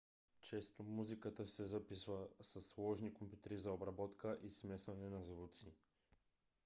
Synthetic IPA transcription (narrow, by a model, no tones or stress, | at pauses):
t͡ʃɛst̪omuzikat̪asɛzapisvasaslˠɔʒnikompju̥t̪ɛɾizaobɾabɔt̪kaʔismɛsvanɛnazvut̪si